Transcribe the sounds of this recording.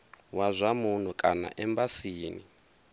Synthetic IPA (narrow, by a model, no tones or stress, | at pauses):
wazʷamun̤ukʼana̰ʔɛmbasiːnḭ